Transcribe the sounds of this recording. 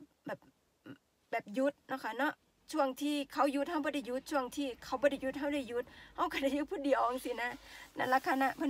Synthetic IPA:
bɛː˨˩p̚ | bɛː˨˩p̚ju˧˦˥t̪̚nɔ˧˨kʰa˧˩nɔ˧˥ʔ | t͡ɕʰu˧˩əŋt̪ʰiː˧˩kʰa˧˩wju˧t̪̚ha˧˩wbɔː˧˦da˧˩ju˧˥t̪̚t͡ɕʰu˧˩əŋt̪ʰiː˧˩kʰa˧˩wbɔː˧˦da˧˩ju˧˦t̪̚ɦa˧˥˨wda˧˩jju˧˥t̪̚ha˧˩wka˧˩da˧˩juː˧˦pʰuː˧˩di˨˩˨ɔ˨˦ŋsiː˧˦na˧˥na̰˧˩la˧kʰːa˧˨na˧˥pʰa˧˨

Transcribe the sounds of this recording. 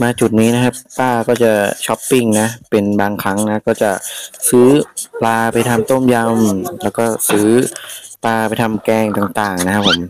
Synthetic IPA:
maː˧t͡ɕu˨˩t̪̚niː˦˥na˦˥kʰa˦˥pːaː˥˩kɔː˥˩t͡ɕa˨˩t͡ɕʰɔ˦˥pːi˥˩ŋna˦˥pe˧nbaː˧ŋkʰɾa˦˥ŋna˦˥kɔː˥˩t͡ɕa˨˩sɯː˦˥plaː˧pa˧jt̪ʰa˧mt̪o˥˩mja˧mlɛː˦˥wkɔː˥˩sɯː˦˥paː˧pa˧jt̪ʰa˧mkɛː˧˩ŋt̪aː˨˩ŋt̪aː˨˩ŋna˦˥kʰa˦˥pʰːo˩˦m

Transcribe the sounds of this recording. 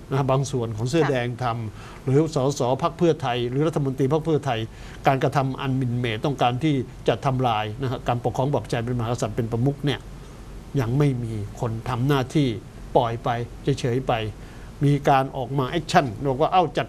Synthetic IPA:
na˦˥a˥˩baː˧ŋsu˨˩ənkʰɔː˩˦ŋsɯ˥˩ɐdɛː˧ŋt̪ʰa˧m | ɾɯː˨˦sɔː˩˦˥sɔː˩˦pʰa˦˥k̚pʰɯ˥˩ɐt̪ʰa˧jɾɯː˩˦ɾa˦˥t̪ʰːa˧mo˧nt̪iː˧pʰa˦˥k̚pʰɯ˥˩ɐt̪ʰa˧j | kaː˧nkɾa˧t̪ʰa˧mʔa̰˧nmi˨˩nmeː˨˩t̪ɔ˥˩ŋkaː˧nt̪ʰiː˥˩t͡ɕa˨˩t̪ʰːa˧mɾaː˧jna˦˥kʰa˦˥kaː˧npkʰːɔː˧˦ŋbɔː˨˩p̚t͡ɕa˧jp̬e˧nma˧ɦaː˦ka˧sa˨˩t̪̚pe˧npɾa˧mu˦˥k̚ni˥˩ɐ | ja˧ŋma˥˩jmiː˧kʰo˧nt̪ʰa˧mnaː˥˩t̪ʰiː˥˩ | pɔ˨˩jpa˧jt͡ɕʰa˦˧˥jt͡ɕʰɤː˩˦jpa˧j | miː˧kaː˧nʔɔː˨˩k̚maː˧ʔɛː˦˥k̚t͡ɕʰa˥˩nː˨˩k̚waː˥˩ʔa˥˩wt͡ɕa˨˩t̪̚

